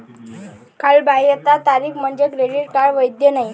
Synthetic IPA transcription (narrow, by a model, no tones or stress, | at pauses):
kʰalbaɦijət̪at̪aɾiːkm̤əɳd͡ʑekɾeɽiʈkaɽʋəjd̪jənai